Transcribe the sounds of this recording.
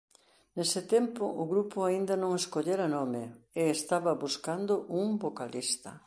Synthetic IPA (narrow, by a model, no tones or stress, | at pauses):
nesɪt̪empʊʔʊɣɾupʊaind̪ɐnõŋeskoʎeɾɐnɔmɪeːst̪aβɐβuskand̪ʊʔuŋbokalist̪ɐ